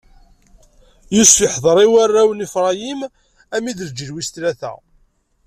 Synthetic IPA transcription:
jusəħðˤəɾˤiwarˤːæwnifɾˤɑjim | æmiðəɾd͡ʒəlwist̪læθæ̰

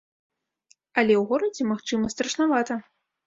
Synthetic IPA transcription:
ɐlʲɛwɣɔɾɐd͡zʲɛmaxt͡ʂɨmɐst̪ɾɐʂnavat̪ɐ

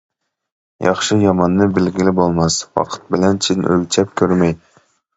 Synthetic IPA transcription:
jɑ̰χʃɨjɑmɑnːɨbɪlɡʲilɪbolˠmɑswɑ̰qʰə̥t̪̚bɪlɛnt͡ʃʰinʔø̰lʲt͡ʃʰɛp̚kʲʰøɾmɛj

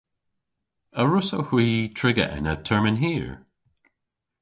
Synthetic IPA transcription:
əɹʊsohiitʰɹ̥ɪɡə̰ʔɪ̰̃nətʰɜɹmɪ̃nɦiɹ

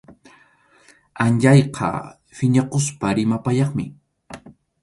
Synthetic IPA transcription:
anʎajqʰɑ̰ | fɪɲaqospaɾɪmapaʎɑχmɪ̰

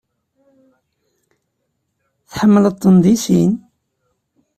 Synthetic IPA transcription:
θħəmːələt̪ˤːənd̪ˤisin

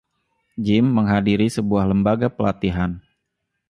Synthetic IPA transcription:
d͡ʒɪmːəŋɦadiɾisəbuahləmbaɡapəlat̪iɦan

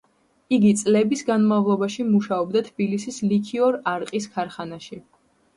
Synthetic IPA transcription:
iɡit̪sʼlɛbisɡanmavlˠɔbaʃimuʃaɔbd̪at̪ʰbilisislikʰiɔɾaɾqʼiskʰaɾχanaʃi

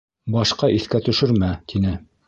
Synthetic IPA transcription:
bɑʃqɑʔiθkæt̪ɵ̆ʃɵɾmæt̪ʰinɘ

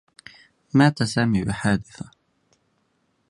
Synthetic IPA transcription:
maːt̪asaːmibɪħaːd̪ɪθḁ

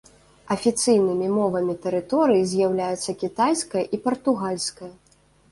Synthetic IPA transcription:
ɐfʲit̪sɨjnɨmʲimɔvɐmʲit̪ɛɾɨt̪ɔɾɨjizʲjawlʲajɛt̪sːɐkʲit̪ajskɐjɐʔipɐrt̪uɣalʲsʲkɐjɐ

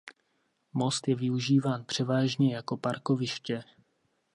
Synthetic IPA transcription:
mo̞st̪jɛvɪuʒiːvaːnpr̝̥ɛvaːʒɲɛjako̞paɾko̞vɪʃcɛ

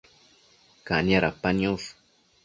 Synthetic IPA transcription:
kanjaɾapanjos

